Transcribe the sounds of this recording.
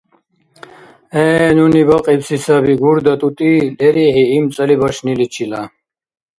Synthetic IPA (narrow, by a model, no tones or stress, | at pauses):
ɛnunibɐqʼibsisabiɡuɾd̪ɐt̪ʼut̪ʼilɛɾiɦiimt͡sʼɐlibɐʃnilit͡ʃʰila